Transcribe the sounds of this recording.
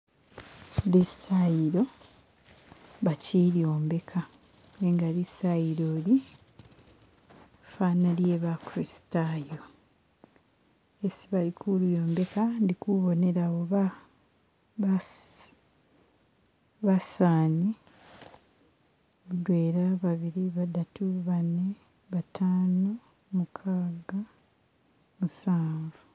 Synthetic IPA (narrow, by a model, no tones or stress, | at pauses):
lisajiɾo̞ | βaciljoːmbe̞kʰa | eŋɡalisaiɾoːli | fanaljeβakuɾisi̥tajo̞ | esiβalikʰuljo̞ːmbe̞kandikuβo̞ne̞ɾaβoβa | βasaːɲi | mudwe̞ːɾaβaβiɾiβadatʰuβanːe | βatʰaːno | mukʰaːɡa | musaːɱvu